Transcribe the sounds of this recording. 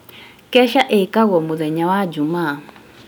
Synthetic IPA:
kɛʃaʔɛikaɣɔmuðɛɲawad͡ʒumaː

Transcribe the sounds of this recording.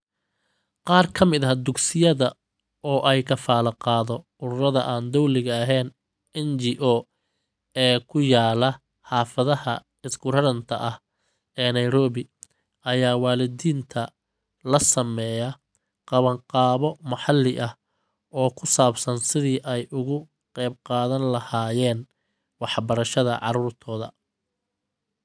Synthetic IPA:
qɑːrkʰɐmɪðɐhd̪ʊɡsɪjɐðɐ | ɔːʔɛjkʰɐfaːlɐqɑːðɔ | ʊɾʊɾɐðɐʔaːnd̪ɔwlɪɣɐɐɦɛːn | ɛnd͡ʒiːʔɔː | ɛːkʰʊjaːlɐ | ħɑːfɐðɐhɐ̰ | ɪsɡʊɾɐɾɐnt̪ʰɐ̰ʔɐh | ɛːnɐjɾɔːβɪ | ʔɐjaːwɑːlɪd̪iːnt̪ʰɐ | lɐsɐmɛːjɐ | qɑβɐɴqɑːβɔmɑħɑlːɪʔɐh | ʔɔːkʰʊsaːbsɐnsɪðiːʔɛjʔʊɣʊ | qɛjb̚qɑːðɐnlɐhaːjɛːn | wɑħbɐɾɐʃɐðɐ̰ʕɑ̰ɾuːrt̪ʰɔːðɐ̰

